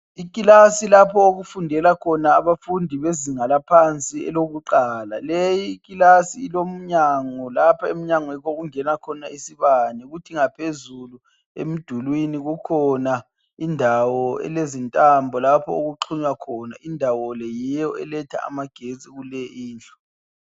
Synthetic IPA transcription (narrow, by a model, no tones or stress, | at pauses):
ikʼilasilapʰɔoɣufundʱɛlakʰɔnaːβafundʱiβeziŋalapʰant͡sʼiɛ̰loɣuǃaːlalejiːkʼilasiːlom̩ɲaŋɔlapʰaem̩ɲaŋwɛkoɣuŋɛnakʰɔnaisiβaniɣutʰiŋapʰezulu | ḛm̩d̥ʱulwiniɣukʰɔna | indʱawɔɛ̰lezintʼambʱɔlapʰɔ̰oɣuǃʰuɲwakʰɔna̰indʱawɔlɛjɛjɔɛlɛtʰa̰a̰maɡ̥ʱet͡sʼiɣulɛiːnt͡ɬʼɔ̥